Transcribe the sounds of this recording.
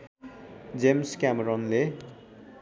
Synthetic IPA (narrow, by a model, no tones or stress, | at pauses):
d͡zemskameɾɔnle